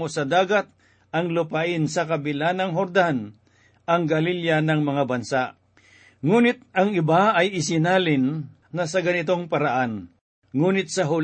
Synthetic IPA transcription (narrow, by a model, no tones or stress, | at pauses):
osɐd̪aːɡɐt̪̚ | ɐŋlʊpaʔɪnsɐkɐbɪlaːnɐŋɦoɾd̪an | ʔɐŋɡɐliljanɐŋmɐŋabɐnsaʔ | ŋuːnɪt̪̚ɐŋɪbaɐjɪs̬ɪnaːlɪnː | ɐsɐɡɐnɪt̪o̞ŋpɐɾaʔan | ŋuːnɪt̪̚sɐɦʊl